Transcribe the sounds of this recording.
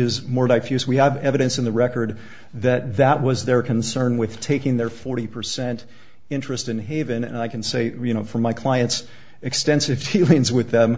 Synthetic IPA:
ɪzmɔɹdaɪfjʉswiɨvɛvɨɾɨ̃nsɨ̃n̩ðɨɹɛkə˞d̪̚ | ðɨt̪̚ðɨʔ̚wʌzðə˞kʰɨ̃nsɜ̃˞nwɪð̥tʰeɪkɪ̃ŋðə˞fɔɹɾipʰə˞sɛ̃nt | ɪ̃nt͡ʃɹ̥ɨstɨ̃nɦeɪvɨ̃nɨ̰̃naɪkɨ̃n̩seɪjɨñoʊfə˞maɪkʰl̥aɪɨ̃nts | ɨkstɛ̃nsɨvdilˠɪ̃ŋzwɪðɨ̃m

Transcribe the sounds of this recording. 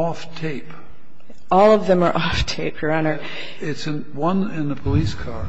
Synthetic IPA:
ɔftʰeɪp | ɔlˠʌvðɨ̃mə˞ʔɔftʰeɪp̚j̥ə˞anə˞ | ɪtsɨ̃n | wʌ̃nɪ̃nəpʰəliskʰɑɹ

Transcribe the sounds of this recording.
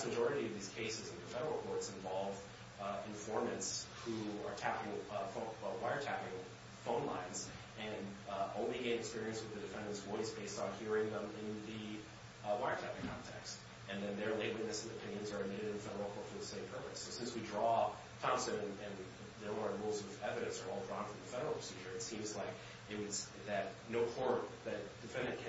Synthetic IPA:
smɨd͡ʒɔɹɨɾiʌvðiz̥kʰeɪsɨzɨ̃n̩ðɨfɛɾə˞l̩ˠkʰɔɹtsɨ̃ɱvɑlˠv | ɨ̃ɱfɔɹmɨ̃ntshuə˞tʰæpɪ̃ŋfõwaɪə˞tʰæpɪ̃ŋ | fõʊ̃nlã̰ɪ̃nz | ɨ̃nõʊ̃nliɡẽɪ̃ɾɨkspɪɹiɨ̃nst̚wɨðɨdɨfɛ̃ndɨ̃nswɔizbeɪstnhiɹɪ̃ŋðə̃mɪ̃nðɨ | waɪə˞tʰæpɪ̃ŋkʰɑ̰̃ntʰɛ̰kst | ɨ̃nðɨ̃nðə˞leɪt̚wɪtⁿnɨsɨ̃nɨpʰɪ̃njɨ̃nzə˞ɨd̚mɪɾɨɾɨ̃nfɛɾə˞l̩ˠfʰɔfə˞ðəsẽɪ̃mpʰɜ˞pɨsoʊsɪ̃nswidɹɔ | tʰɑ̃msɨ̃ʊ̃ɨ̃nɨ̃n | ðəəɹulˠzəðɛvɨɾɨ̃nsə̰˞ɔlˠdɹɔ̃nfɹʌ̃m̩ðɨfɛɾə˞l̩ˠpʰɹ̥ə̥sid͡ʒə˞ɨtsĩmzlaɪk | ɨt̚wɨds | ðɨt̚noʊpʰɔɹt̚ðɨt̚d̥ɨfɛ̃ndɨ̃nkʰ

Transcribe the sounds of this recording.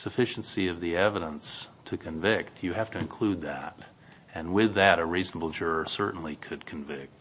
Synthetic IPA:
sɨfɪʃn̩siʌvðiɛvɨɾə̃nstʰɨkʰɨ̃ɱvɪktʰjɨhæftɨɨ̃nkʰl̥ʉd̪̚ðə̰ɾ | ɨ̃nwɪðɨɾɨɹiznəbl̩ˠd͡ʒʊɹsɜ˞ʔn̩likʰɨd̚kʰɨ̃ɱvɪk̚t̚

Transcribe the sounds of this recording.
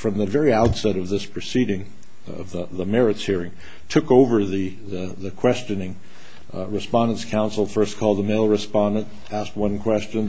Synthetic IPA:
fɹʌ̃mðɨvɛɹiaʊtsɛɾʌvðɪspʰɹ̥ɨsiɾɪ̃ŋ | ʌ̰vðəðəmɛɹɨtshiɹɪ̃ŋ | tʰʊkoʊvə˞ðɨ | ðɨ | ðɨkʰw̥ɛst͡ʃɨ̃nɪ̃ŋ | ɹɨspɑ̃ndə̃ntskʰãʊ̃nsl̩ˠfɜ˞skʰɔlˠd̪̚ðəmeɪlˠɹɨspɑ̃ndɨ̃nt | æst̚wʌ̃nkʰw̥ɛst͡ʃɨ̃n

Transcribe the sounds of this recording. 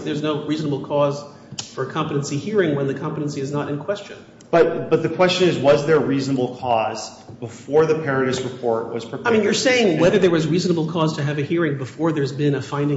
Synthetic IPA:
ðə˞znoʊɹiznəbl̩ˠkʰɔz̥ | fə˞kʰɑ̃mpəɾ̃nsihiɹɪ̃ŋwə̃nðɨkʰɑ̃mpəɾn̩siɨznəɾɨ̃nkʰw̥ɛst͡ʃɨ̰̃n | b̥ʌt̚b̥ʌt̪̚ðɨkʰw̥ɛst͡ʃɨ̃nɨzwʌzðə˞ɹiznəbl̩ˠkʰɔz | bəfɔɹðɨpʰɛɹɨɾɨsɹɨpʰɔɹt̚wʌ̰z̥pʰɹ̥ɨaɪmĩnjə˞seɪɪ̃ŋnwɛðə˞ðə˞wʌzɹiznəbl̩ˠkʰɔz̥tʰɨːvɨhiɹɪ̃ŋbəfɔɹðə˞zbɪ̃nɨfãɪ̃ndɪ̃

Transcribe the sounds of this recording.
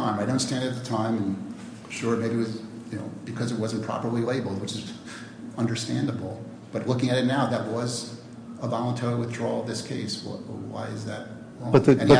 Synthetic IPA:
ãɪ̃maɪɾõʊ̃ntstæ̃ndɨt̪̚ðɨtʰãɪ̃mɨ̃n | ʃʊɹɨmeɪbiɨwʌz | jɨno̰ʊb̥ɨkʰʌzɨt̚wʌzn̩pʰɹ̥ɑ̰pə˞lileɪbl̩ˠd̚wɨt͡ʃɨz | ʌ̃ndə˞stæ̃ndəbl̩ˠ | b̥ʌtˡlʊkɪ̃ŋɨɾɨtⁿnaʊðət̚wʌz | əvɑlˠə̃ntʰoʊɾwɨθdɹɔvðɪskʰeɪsw̰wa̰ɪɨzðɨt̚ | ʌɨ̃n

